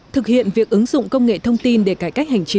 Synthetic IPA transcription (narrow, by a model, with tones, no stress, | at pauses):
t̪ʰɨ˨˩k̚hḭ˧˨ənvi˨˩ək̚ʔɨ˨˦ŋzʊ̰˧˨ŋ͡mkə˧wŋ͡mŋḛ˧˨t̪ʰə˧wŋ͡mt̪i˧nɗe˧˩kaː˧˩jka˦˥jk̚hɦa˨˩jŋ̟t͡ɕi˨˦